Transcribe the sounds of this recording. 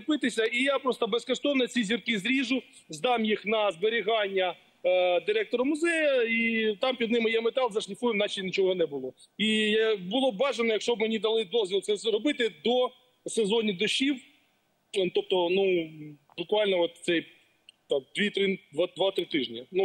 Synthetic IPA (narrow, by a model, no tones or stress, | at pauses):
pɪt̪ɪsʲɐijapɾɔst̪ɔbeskɔʃt̪ɔnɔt͡sʲizʲirkɪzɾʲiʒʊ | zd̪ɑmjixnɐzbeɾʲɪɦɑnʲːɐ | d̪ɪɾɛk̚t̪ɔɾɐmʊzɛjɐit̪ɑmpʲid̪nɪmɪjɛmet̪ɑlˠzɐʃlʲɪfujɪmnɑt͡ʃinʲit͡ʃɔɦɔnɛbʊlˠɔ | ijbʊlˠɔbɑʒenɔjɐkʃt͡ʃɔb̚menʲid̪ɐlˠɪd̪ɔzʲʋʲilˠsɛzɾɔbɪt̪ɪd̪ɔ | sezɔnʲid̪ɔʃiw | t̪ɔp̚t̪ɔnu | bʊkʋɑlʲnɔɔt̪̚sɛj | t̪ɑmd̪ʋʲit̪ɾɪd̪ʋd̪ʋɑt̪ɾɪt̪ɪʒnʲinu